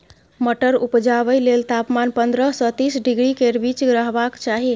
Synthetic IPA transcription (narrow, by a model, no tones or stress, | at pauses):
məʈəɾupd͡ʒaβəjlelt̪apmanpənd̪ɾəsə̃t̪isɖiɡɾikeɾbit͡ʃɡɾəɦbakt͡ʃaɦi